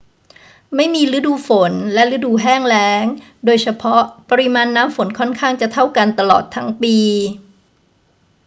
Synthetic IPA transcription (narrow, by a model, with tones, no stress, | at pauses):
ma˥˩jmiː˧ɾɯ˦˥duː˧fo˩˦nlɛ˦˥ʔɾɯ˦˥duː˧ɦɛː˥˩ŋlɛː˦˥ŋ | doː˧jt͡ɕʰa˧pʰɔ˦˥ʔpa˧ɾi˧˦˥maː˧nːaː˦˥mfo˩˦nkʰɔ˥˩nkʰaː˥˩ŋt͡ɕa˨˩t̪ʰa˥˩wka˧nt̪a˧lɔ̰ː˨˩t̪ʰːa˦˥ŋpiː˧